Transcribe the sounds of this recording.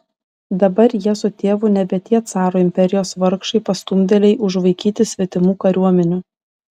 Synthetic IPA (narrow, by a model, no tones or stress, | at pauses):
d̪ɐbɐɾjiɛsʊt̪ʲeːʋʊnʲɛbʲɛt̪ʲiɛt̪sɑːɾoːɪmʲpʲɛɾʲɪjoːsʋɐɾkʃɐɪpɐst̪ʊmʲd̪ʲɛlʲɛɪʔʊʒʋɐɪkʲiːt̪ʲɪsʲʋʲɛt̪ʲɪmuːkɐɾʲuɔmʲɛnʲʊ